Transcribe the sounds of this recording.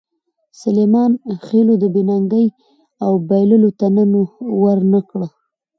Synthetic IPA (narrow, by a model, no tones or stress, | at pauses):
salemɑnxelod̪əbɪnaŋɡəj | awbajləlot̪anənowəɾnəkɽə